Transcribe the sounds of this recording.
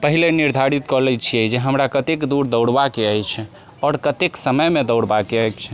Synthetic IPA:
pəɦileniɾd̪ʱaɾit̪kɔlɛt͡ʃʰiɛd͡ʒeɦəmɾakət̪ekd̪uɾd̪əwɽbakeəjt͡ʃʰ | ɔɾkət̪eksəməjmed̪əwɽbakeəjt͡ʃʰ

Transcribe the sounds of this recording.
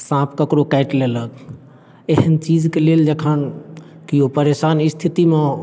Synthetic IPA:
sãːpʰkəkɾokɛɪʈleːlək | eɦənt͡ʃiːd͡ʒkeleːld͡ʒekʰaːn | kijopəɾeːʃaːnɪst̪ʰit̪imẽ

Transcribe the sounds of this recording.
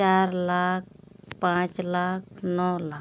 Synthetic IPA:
t͡ʃaɾlak̚ʰ | pãːt͡ʃlaːkʰnɔːlaː

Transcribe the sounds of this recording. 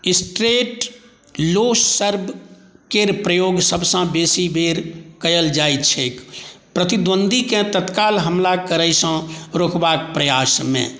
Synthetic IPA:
isʈɾeʈ | lossəɾbʱkeɾpɾəjoɡsəbʱsə̃besibeɾkəjəld͡ʒait͡ʃʰekpɾət̪id̪wənd̪ʱikẽt̪ət̪kalɦəmlakəɾəjsə̃ɾokbakpɾəjasmḛ̃

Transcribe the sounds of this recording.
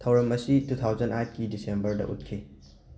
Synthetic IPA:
tʰɐwɾɐmɐsitut̪ʰawzɐnajt̚ʰkidisembɐɾdɐ̰ʔṵt̚kʰi

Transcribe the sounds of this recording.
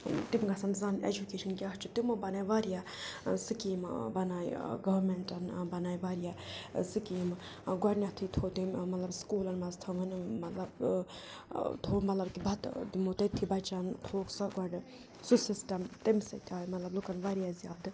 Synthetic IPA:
t̪imɡɐsɐnzɐnḛd͡ʒukeːʃɐnkʲat͡ʃʰut̪imobɐnaːjʋaːɾijasɨkiːmbɐnaːjɡɐʋɐɾmeɳʈɐnbɐnaːjʋaːɾijasɨkiːm | ɡɐɖnʲjat̪ʰit̪ʰoːt̪immɐt̪lɐbskuːlɐnmɐzt̪ʰɐŋɡɐnmɐt̪lɐb | t̪ʰoːmɐt̪lɐbkibʱɐt̪d̪imot̪ɐt̪ʰːibɐt͡ʃɐnt̪ʰoːksɐɡʷɐɖ | susisʈɐmt̪imsɐ̰t̪ʰaːjmɐt̪lɐblukɐnʋaːɾijazijaːd̪

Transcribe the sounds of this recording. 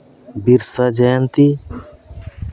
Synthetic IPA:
biɾsad͡ʒeːnt̪i

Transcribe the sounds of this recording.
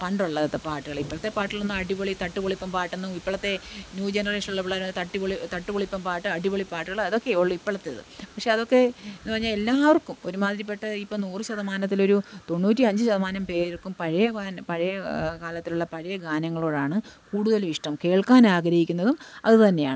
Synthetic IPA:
pɐɳɖuɭːɐt̪ːepaːʈːɨɣɐɭipːɐɭɐt̪ːe̞paːʈːilonːɨɐɽiboɭit̪ɐʈːɨpoɭipːɐmpaːʈːenːɨipːɐɭɐt̪ːe̞njuːd͡ʑenɐreːʂɐnuɭːɐpːɭaːɾnːt̪ɐʈːipoɭit̪ɐʈːɨpoɭipːɐmpaːʈːɨɐɽiboɭipaːʈːɨɣɐɭɐðo̞kːe̞oɭːipːɐɭɐt̪ːeðɨ̰pɐkʂe̞ɐðo̞kːe̞enːɨɐrɐɲːaːlelːaːʋɐrkːumo̞ɾumaːd̪ɾɐp̬ːe̞ʈːɐipːɐnuːrɕɐðɐmaːnɐt̪̬ːilo̞ɾut̪o̞nːuːt̬ʲːiɐɲd͡ʑɨɕɐðɐmaːnɐmpe̞ːɾiɭkːumpɐɻɐjɐaːnpɐɻɐjɐkaːlɐt̪ːiluɭːɐpɐɻɐjɐɡaːnɐŋːɐɭoːɻaːɳɨkuːɽuðɐlʋiʂʈɐmke̞ːɭkaːnaːɡɾɐhikʲːunːɐðumɐ̰ðɨt̪ɐnːe̞ja̰ːɳɨ

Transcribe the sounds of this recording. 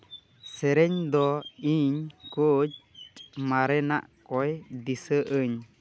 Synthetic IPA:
sɛɾeɲd̪ɔiɲkod͡ʒmaɾena̰ʔkʼɔjd̪isəʔəɲ

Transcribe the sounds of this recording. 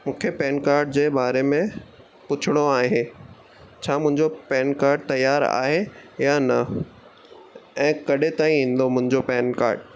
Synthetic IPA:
mũːkʰepɛːnkaːɾɖ̚d͡ʑeːbaːɾemẽ | pʊt͡ɕʰɪɽ̃oaːɦe | t͡ɕʰaːmʊ̃ɦɪ̃ɲd͡ʑopɛːnkaːɾɖ̚t̪ɐjːaːɾa̰ːɦejanɐ | ɛ̃ːkɐɗet̪aːĩĩːn̆d̪omʊ̃ɦɪ̃ɲd͡ʑopɛːnka̰ːɾɖ

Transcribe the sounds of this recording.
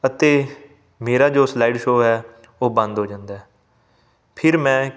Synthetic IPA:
ət̪eː | meːɾaːd͡ʒoːslaːiɖʃoːɦɛː | oːbə̃nd̪ɦoːd͡ʒãːnd̪aːɦɛː | pʰɪɾmɛ̃ː

